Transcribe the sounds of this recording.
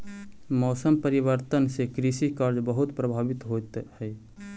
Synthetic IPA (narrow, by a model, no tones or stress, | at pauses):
mɔːsəmpəɾibəɾt̪ənsekɾisikəɾd͡ʒbəɦut̪pɾəbʱaːbit̪ɦot̪hɛ